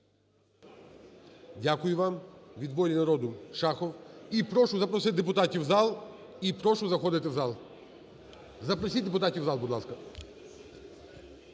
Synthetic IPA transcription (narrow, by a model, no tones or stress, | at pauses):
dʲakʊjʊʋɑmʋʲid̪bɔɾʲinɐɾɔd̪ʊʃɑxɔwipɾɔʃʊzɐpɾɔsɪt̪̚ʲd̪ep̬ʊt̪atʲiwzɑlˠ | ipɾɔʃʊzɐxɔd̪ɪt̪ɪwzɑlˠ | zɐpɾɔsʲit̚ʲd̪epʊt̪atʲiwzɑlˠbʊd̪lˠɑskɐ